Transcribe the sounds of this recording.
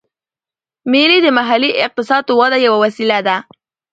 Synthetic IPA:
melid̪əmaɦaliʔɪq̚t̪ɪsɑd̪̚t̪əwad̪ajawawasilad̪a

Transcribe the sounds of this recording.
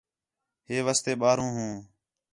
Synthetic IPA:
ɦeːʋaːst̪eːɓaːɾũːɦũː

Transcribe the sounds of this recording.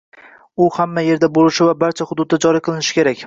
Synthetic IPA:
ʊhamːaje̞ɾd̪abolˠɪʃɪvabaɾt͡ʃʰahʊd̪ʊd̪̚ad͡ʒɒɾiqʰɨlˠɪnɪʃɪ̥kʲʰe̞ɾakʲ

